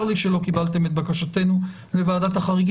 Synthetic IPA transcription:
ʁliʃelo̞kibalt̪e̞met̪̚bakaʃate̞nu | levaːdat̪haχaʁiɡ

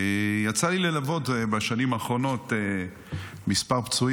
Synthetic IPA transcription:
jat͡salilelavo̞t̪baʃanimaːχʁo̞no̞t̪e | mispaʁpt͡su

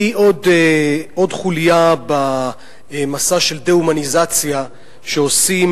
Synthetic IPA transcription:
iʔo̞d | o̞dχulijaba | emasaʃe̞ld̪eumanizat͡sja | ʃeo̞sim

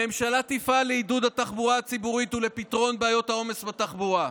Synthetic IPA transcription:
e̞mʃalat̪ifaleidud̪at̪aχbuʁaːt͡sibuʁit̪ule̞pit̪ʁo̞nbeajo̞thao̞me̞sbat̪aχbua

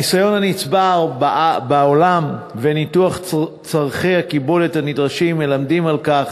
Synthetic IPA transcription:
isajo̞nhanit͡sbaʁbbaolamvenituaχ | t͡saʁχejhakibo̞lethanidʁaʃimːe̞lamd̪imalkaχ

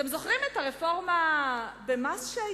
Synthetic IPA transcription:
emzo̞χʁimetaʁefo̞ʁmabemasʃea

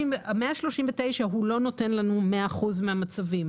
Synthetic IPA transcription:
meaʃlo̞ʃiɱvet̪e̞jʃaɦulo̞no̞te̞nlanumeaːχuzmeamat͡savim

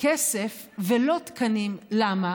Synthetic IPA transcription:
kesefvelo̞t̪kɐnimlama

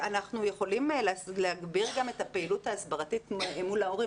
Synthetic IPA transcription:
anaχnujeχo̞limlsleaɡbiʁɡame̞tapeilutaːsbaʁatitmulaoʁi

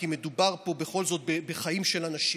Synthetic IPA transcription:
kime̞d̪ubaʁpo̞be̞χo̞lzo̞t̪̚bebeχaimʃelanaʃi

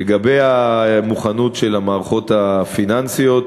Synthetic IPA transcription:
eɡabejamuχanutʃelamaːʁaχo̞t̪afinansijo̞t̪

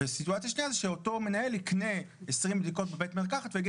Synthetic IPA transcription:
esituat͡sjaʃniazeʃeoto̞me̞nae̞likne̞ | esʁimbd̪iko̞t̚bebetmeʁkaχat̪veɡi

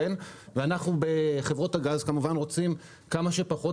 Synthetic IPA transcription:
enveanaχnube̞χevʁo̞thaɡazkamuvanʁo̞t͡sim | kamaʃe̞paχo̞

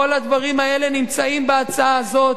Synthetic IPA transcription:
olad̪vaʁimae̞le̞nimt͡saimbeat͡saazo̞

